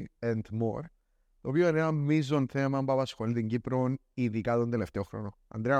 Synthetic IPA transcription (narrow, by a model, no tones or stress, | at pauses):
ent̪moɾ | ðoβioeneɾammiz̬ont̪ʰemambaβasxoneld̪iŋɡipɾoniðiɡaðond̪eleft̪eoxɾo̰noa̰nd̪ɾea